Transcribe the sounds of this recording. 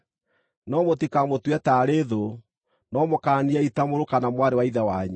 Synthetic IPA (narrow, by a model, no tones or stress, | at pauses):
nɔmotikamotwɛtaːɾeðo | nɔmokaːniɛitamoɾokanamwaɾewaiðawaɲɛ